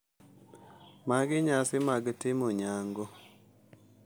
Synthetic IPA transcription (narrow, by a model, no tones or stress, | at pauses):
maɡɪɲasɪmaɡtɪmɔɲaŋɡɔ